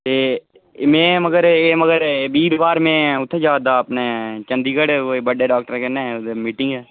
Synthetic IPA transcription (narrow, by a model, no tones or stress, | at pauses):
t̪eː | mẽːməɡəɾeːməɡəɾbiːɾʋaːɾmẽːʊt̪ʰːed͡ʒaːd̪aːəpneːt͡ʃə̃nd̪iːɡəɽebəɖeːɖaːk̚ʈəɾkɛːneːd̪emiːʈɪ̃ŋɡɛː